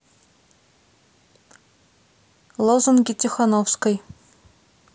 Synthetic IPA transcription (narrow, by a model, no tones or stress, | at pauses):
lˠozonɡʲitʲixɑnofskɤj